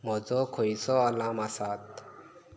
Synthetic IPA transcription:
mɔd͡zɔkʰɔisɔalamasat̪̚

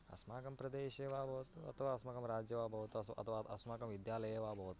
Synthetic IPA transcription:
ɐ̰smaːkɐmpɾɐd̪eːʃeːʋaːbʱɐʋɐt̪uɐ̰t̪ʰɐʋaːɐsmɐkɐmɾaːd͡ʒjɐʋaːbʱɐʋɐt̪uɐsɐ̰t̪ʰɐʋaɐsmaːkɐmʋid̪jaːlɐjeʋaːbʱɐʋɐt̪

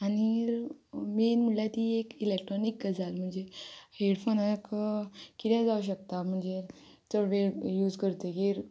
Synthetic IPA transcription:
ani | menmulat̪iːekilekʈɾɔnikɡəd͡zalm̤əɳd͡zeheɽfonəkkit̪ɛ̃d͡zauɕ̬ək̚t̪am̤əɳd͡ze | t̪əɾʋejuːd͡zkəɾt̪eɡiɾ

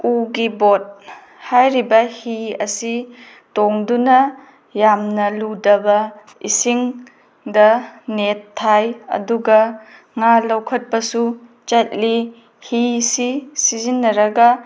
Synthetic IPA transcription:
uɡibot̚ | hajɾibɐhiɐsi | toŋdunɐ | jamnɐludɐbɐ | ḭsiŋ | dɐnetʰːajɐ̰duɡɐ | ŋalɐwkʰɐt̚pɐsu | t͡ʃat̚li | hisisizinːɐɾɐɡɐ

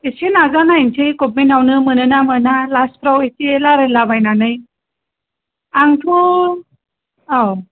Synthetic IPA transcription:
esenazanaint͡ɕʰɯjkop̚minawnɯmɯnɯnamɯnalas̚pɾaweselaɾɯlabajnanɯj | aŋtʰu | aw

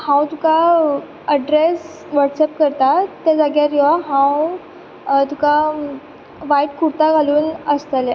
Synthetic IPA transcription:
hãwt̪uka | əɖɾes | ʋəʈsep̚kəɾt̪at̪ad͡zaɡjaɾiʋaɦãw | t̪uka | ʋaiʈ̚kuɽt̪aɡʱaluːnəst̪əle

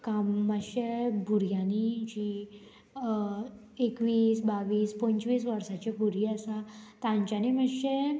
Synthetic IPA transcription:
kamːəɕebʱuɾjanid͡ʑi | ekʋiːsbaʋiːspə̃ɲt͡ɕʋiːsʋəɾsat͡ɕabʱuɾjiasat̪ãɲt͡ɕaniməɕe

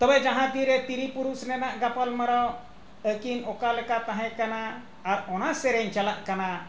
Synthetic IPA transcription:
t̪ɔbɛd͡ʒaɦãd̪iɾɛt̪iɾipuɾusnɛnaʔɡapalməɾaw | əkinɔkalɛkat̪aɦɛ̃kanaː | ɾɔnasɛɾɛɲt͡ʃalaʔkana

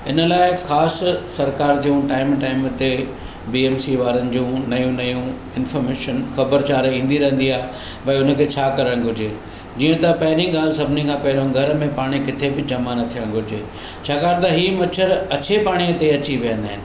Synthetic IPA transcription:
ɪnə̆laːɪxaːssɐɾkaːɾd͡ʑũʈaːɪmʈaːɪmt̪e | biːeːmsiʋaːɾənɪ̆d͡ʑũːnɐjũnɐjũ | ɪnfɔːɾmeːʃənxɐbəɾt͡ɕaːɾĩːn̆d̪iɾɐɦn̆d̪iaːɦe | pɐʊnə̆kʰeːt͡ɕʰaːkɐɾəɽ̃ɡʱʊɾd͡ʑeː | d͡ʑiːə̃t̪ɐpɐɦɪɾĩɠaːl̤ɪsɐbʱɪnikʰãːpɐɦɪɾõɡʱɐɾmẽpaːɽ̃ikɪt̪ʰebɪd͡ʑɐmanɐt̪ʰijə̃ɽ̃ɡʱʊɾd͡ʑeː | t͡ɕʰaːkaːɾt̪ɐɦiːmɐt͡ɕʰəɾɐt͡ɕʰepaːɽ̃iət̪eɐt͡ɕiʋijə̃nd̪aːɦɪnɪ̆

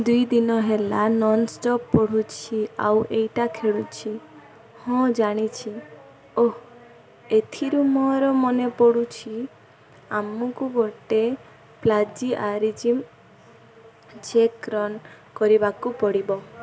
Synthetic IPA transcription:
d̪ujd̪inɔɦelanɔnsʈɔpːɔɽ̤ut͡ʃʰia̰wʔejʈakʰeɽut͡ʃʰi | hɔ̃d͡ʒaɽ̃it͡ʃʰi | o | et̪ʰiɾumɔɾɔmɔnepɔɽut͡ʃʰi | amɔkuɡoʈe | plad͡ʒiʔaɾid͡ʒim | t͡ʃekɾɔn | kɔɾibakupɔɽibɔ

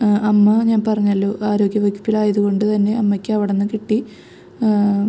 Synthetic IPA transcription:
ɐmːɐɲaːnpɐrɐɲːɐlːo̞ːʔaːɾo̞ːɡjɐʋɐɡʲjɐ̥pːilaːjɐðuɣo̞ɳɖɨt̪ɐnːe̞ɐmːɐkʲːɨɐʋiɽenːɨkiʈːi

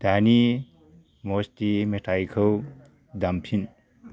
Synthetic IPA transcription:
d̪̥ani | mostimetʰajkʰɯw | d̪ampʰin

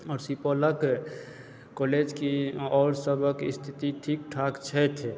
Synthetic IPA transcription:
ɔːɾsipɔlək | kɔled͡ʒkiɔːɾsəbʱəkist̪ʰit̪iʈʰik̚ʈʰakt͡ʃʰəjt̪ʰ

